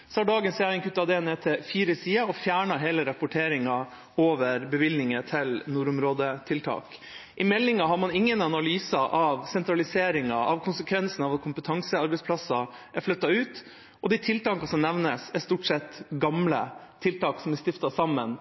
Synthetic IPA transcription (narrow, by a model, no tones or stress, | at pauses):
sɔɑɖɑːɡənsjæɾɪŋkʰʉt̪ːɑd̪ɛɛneːt̪ʰɛfiːɾəsiːɑɔfjæːɳɑɦeːləɾɑpʊʈʰeːɾɪŋɑ | oːʋəɾbəʋɪlnɪŋət̪ʰɪlnuːɾʊmɾoːd̪ət̪ʰɪlt̪ʰɑ̰ːk | ʔɪmɛlːɪŋɑɦɑɾmɑnɪŋːənɑnɑlyːsɑʔɑʋsɛnt̪ɾɑlɪseːɾɪŋɑʔɑʋkʰʊnsəkʰʋɛnsənɑʋɑt̪kʰʊmpət̪ʰɑŋsəɑɾbɛɪspʰlɑsɑʔæɾflœt̪ːɑʉːt̪ | ʔɔd̪ɛɪt̪ʰɪlt̪ɑːkɑsɔmnɛʋnəsæɾst̪uːʈʂɛt̪ɡɑmlət̪ʰɪlt̪ɑːksɔmæst̪ɪft̪ɑsɑmːən